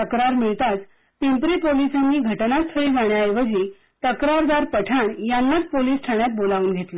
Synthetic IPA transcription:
t̪əkɾaɾmiɭt̪at͡s | t̪empɾipolisanːiːɡʱəʈnast̪ʰəɭiːʋaɳjajeʋəd͡ʑi | t̪əkɾaɾd̪aɾpəʈʰaɳjanːat͡spoliːsʈʰaɳjat̪̚bolauːnɡʱet̪lə

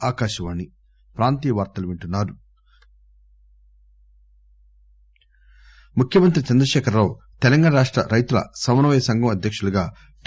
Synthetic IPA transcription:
aːkaːʃɐʋaːnːi | pɾaːnt̪iːɐʋaːɾt̪ɐluʋiɳʈunːaːɾu | mukʰjɐmɐnt̪ɾit͡ʃɐnd̪ɾɐʃɛːkɐɾːaːwu | t̪ɛlɐŋɡaːɳɐɾaːʂʈɾɐ̰ɾɐjt̪ulɐ̰sɐmɐnɐʋɐjɐsɐŋɡɐmɐd̪ʱjɐkʂuluɡaː | ʈ

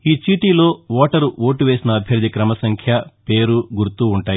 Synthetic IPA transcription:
iːt͡ʃiːʈiːlo̞ːʋɔːʈɐɾuoːʈuʋe̞ːsinɐːbʱjɐɾd̪ʱikɾɐmɐsɐŋkʰjɐpe̞ːɾuɡuɾt̪ːuːɳʈaːji

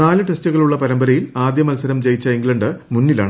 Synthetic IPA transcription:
aːlɨʈestuɣɐɭuɭːɐpɐɾɐmbɐɾɐjilaːd̪jɐmɐlsɐɾɐmt͡ɕe̞jit͡ɕːɐiŋɡɭɐɳɖɨmunːila̰ːɳɨ

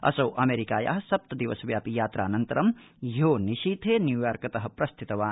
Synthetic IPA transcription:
ɐ̰sɐwʔɐmeːɾikaːja̰ːɦɐsɐp̚t̪ɐd̪iʋɐsɐʋjaːpijaːt̪ɾʔaːnɐnt̪ɐɾɐm | joːniʃiːt̪ʰeːnjuːjaːɾkɐt̪ɐɦɐ̆pɾɐst̪ʰit̪ɐʋaːn

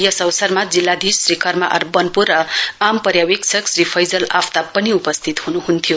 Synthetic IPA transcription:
jʌsʌwsʌrmad͡zilːad̪ʱirikʌrma̰ʔʌ̰rbʌnpurːʌampʌɾjawiksʰʌksripʰʌjd͡zʌlaft̪apʌniupʌst̪ʰit̪ɦunuɦunt̪ʰjo

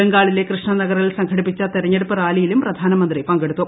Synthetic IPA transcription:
ɐŋɡaːɭile̞krɨʂɳɐnɐɣɐrɣɐlsɐŋkʰɐɽipːit͡ɕːɐt̪iɾɐɲːeɽupːɨraːlijilumprɐd̪ʱaːnɐmɐnd̪ripɐŋɡeɽut̪ːu

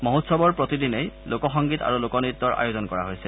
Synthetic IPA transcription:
mɔɦutsɔbɔɹpɹotidinejlokɔxɔŋɡita̰ɹulokɔnit̪ːɔɹa̰jozɔnkɔɹa̰ɦojsɛ

